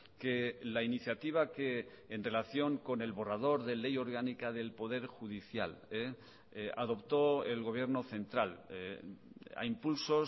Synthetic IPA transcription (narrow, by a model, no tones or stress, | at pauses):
ke̞lainiθjat̪iβ̞ake̞ː | nre̞laθjo̞ŋko̞ne̞lβo̞rað̞o̞ɾðe̞le̞jo̞ɾɣ̞anikaðe̞lpo̞ðe̞ɾxuðiθja̰le | a̰ðo̞pt̪o̞elɣo̞β̞je̞ɾno̞θẽ̞nt̪ɾal | a̰impulso̞